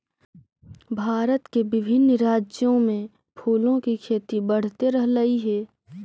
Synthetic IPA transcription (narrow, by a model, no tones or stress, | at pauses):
bʱaːɾət̪kebɪbʱɪnɾaːd͡ʒjõmẽ | pʰuːlõkikʰeːt̪ibɐɽ̤t̪eɾəɦlɐiɦɛː